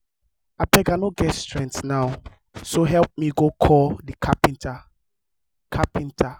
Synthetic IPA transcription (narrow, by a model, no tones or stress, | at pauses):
apɛɡanoɡɛtstɹɛ̃ntnaʊ | soɦɛlp̚miɡokʰɔldikʰapĩntʰa | kʰapĩntʰa